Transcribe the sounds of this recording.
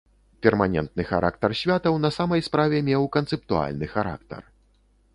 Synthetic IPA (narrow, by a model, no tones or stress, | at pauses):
pʲɛrmanʲɛ̰nt̪̚nɨxa̰ɾʔa̰kt̪ɐrsʲvʲat̪ɐwnɐsamɐjspɾavʲɛmʲɛwkɐnt̪sɛp̚t̪ua̰lʲnɨxaɾa̰kt̪ɐ̰r